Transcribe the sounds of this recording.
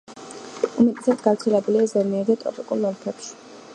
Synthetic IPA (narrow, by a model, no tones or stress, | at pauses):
umɛt̪ʼɛsad̪ɡavɾt̪sʰɛlɛbuliazɛmɛɛd̪at̪ʼɾɔ̰pʼikʼulˠːɔlˠpʰɛpʃi̥